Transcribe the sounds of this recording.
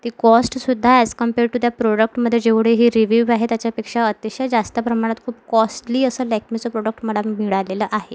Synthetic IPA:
t̪ikɔsʈsud̪ʱːaskəmpeɾʈut̪japɾoɽək̚ʈməd̪ʱːjed͡ʑeʋɽ̤eɦiːɾiʋuʋaɦet̪jat͡ɕjapekʂaət̪iɕjad͡zast̪əpɾəmaɽ̃at̪kʰuːpkɔsʈliːəsəːlɛkʰmit͡səpɾoɽək̚ʈməɽamiɭaleləʔaɦe

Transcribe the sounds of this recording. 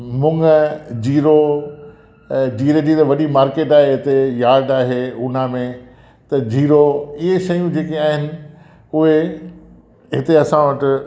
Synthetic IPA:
mʊŋɡd͡ʑiːɾo | d͡ʑiːɾed͡ʑiːɾoʋɐɗimaːɾkeːʈaːɦeɦɪt̪ejaːɾɖaːɦeʊnamẽ | t̪ɐd͡ʑiːɾoɪɦeʃɐjũd͡ʑeːkeaːɦɪnɪ̆ | ʊɦe | ɦɪt̪eɐsãʋɐʈɪ

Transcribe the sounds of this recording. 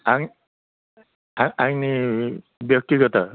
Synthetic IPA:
aŋ | aaŋni | bjɔk̚t̪iɡɔta

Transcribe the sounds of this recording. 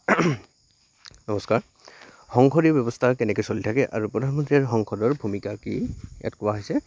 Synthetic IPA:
nɔmɔskaɹ | xɔŋkʰɔɹibɔbɔstʰakɛnɛkojsolitʰakɛʔa̰ɹupɹɔdʱanmɔntɹiaɹxɔŋkʰɔdɔɹbʱumikakḭɛ̰tkʊaɦojsɛ

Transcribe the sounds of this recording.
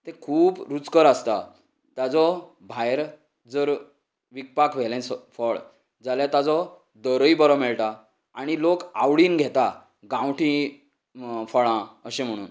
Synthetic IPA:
t̪ẽkʰuːbɾut͡skəɾast̪a | t̪jad͡zɔ | bʱajɾ | d͡zəɾ | ʋik̚pakʰʋɛlɛ̃sfəɭ | d͡zaljat̪ad͡zɔ | d̪əɾəibəɾɔmɛɭʈa | aɽ̃ilokawɭiːnɡʱɛt̪a | ɡãwʈʰĩ | fəɭãəɕẽm̤əɽ̃ṵːn

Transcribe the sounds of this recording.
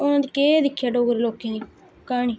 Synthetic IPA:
ʊnãd̪iːkeːd̪ɪkʰːjaːɖoːɡɾeloːkẽːd̪iː | kaːɳ̃iː

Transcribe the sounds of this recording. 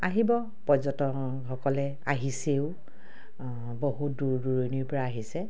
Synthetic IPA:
aɦibɔ | pɔzɔtɔ | xɔkɔlɛ | aɦiseʊ | boɦut̚duɹduɹoniɹpɔɹaːɦisɛ

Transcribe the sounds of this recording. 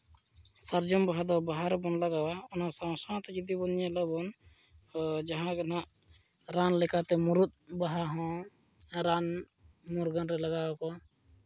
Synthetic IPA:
saɾd͡ʒɔmbaɦad̪ɔbaɦaɾɛbɔnlaɡawaɔnasaw̃sãt̪ɛd͡ʒid̪ibɔnjalɔbɔn | d͡ʒaɦãɡanaʔ | ɾanlɛkat̪ɛmɔɾut̪̚baɦaɦɔ̃ | ɾan | mɔɾɡɔnɾɛlaɡawakɔ

